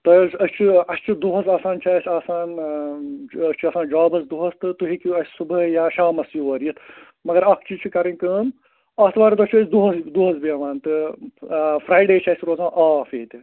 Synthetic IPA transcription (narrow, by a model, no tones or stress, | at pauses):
t̪ɐɐlʲsɐst͡ʃʰiɐst͡ʃʰid̪uɦɐsaːsaːnt͡ʃʰaːsʲaːsaːn | ɐt͡ʃʰuɐːsaːnd͡ʒaːbɐsd̪uɦɐst̪ɨt̪uɦikiɐsʲsubəjaːʃaːmɐsjuʋɐːɾijit̪ʰ | mɐɡɐɾɐkʰt͡ʃʰit͡ʃʰikɐɾinʲkəːn | ɐst̪ʰʋaːɾit̪ɐt͡ʃʰəsʲd̪uɦɐsd̪uɦɐzbiɐʋaːnt̪ɨ | fɾaːjɖeːt͡ʃʰaːsʲɾoːzãːʔaːfeːt̪ʲi